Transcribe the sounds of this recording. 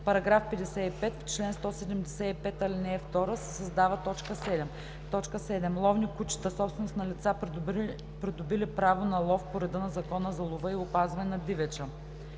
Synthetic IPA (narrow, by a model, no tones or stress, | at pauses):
pɐɾɐɡɾafpɛd̪ɛsɛipɛt̪ft͡ʃlɛnst̪ɔsɛd̪ɛmd̪ɛsɛipɛt̪ɐlinɛft̪ɔɾəsɛsɐzd̪avət̪ɔt͡ʃkəsɛd̪ɛm | t̪ɔt͡ʃkəsɛd̪ɛmlˠɔvnikut͡ʃi̥t̪əsɔpst̪vɛnʊsnɐlit̪sa | pɾid̪ʊbilipɾavonɐlˠɔfpoɾɛd̪ənɐzɐkɔnəzɐlˠʊvəiʊpazvɐnɛnɐd̪ivɛt͡ʃə